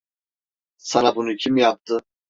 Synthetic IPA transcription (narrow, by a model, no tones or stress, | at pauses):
sanabunucʰimjap̚t̪ʰɯ